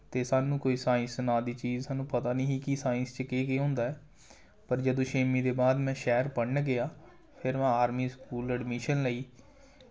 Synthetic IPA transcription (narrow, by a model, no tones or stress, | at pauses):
t̪eːsaːnũːkoːiːsaːɪ̃nsənaːd̪iːt͡ʃiːzsaːnũːpət̪aːniːɦiːkisaːɪ̃nst͡ʃəkeːkeːɦʊ̃ːnd̪aːɛː | pəɾd͡ʒəd̪õːʃeːmiːd̪eːbaːd̪mɛ̃ːʃɛːɾpəɽɳɡɪaː | pʰɪɾmɛ̃ːaːɾmiːskuːləɖmiːʃənləiː